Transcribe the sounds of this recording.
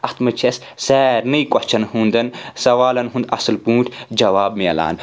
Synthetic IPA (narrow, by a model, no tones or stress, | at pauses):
ɐt̪mɐt͡ʃʰes | sɛːɾnɨikɔt͡ʃʰɐnhũːnd̪ɐnsɐʋaːlɐnɦũnd̪ɐ̰sɨlpũːʈʰd͡ʒɐʋaːbmiɐ̰la̰ːn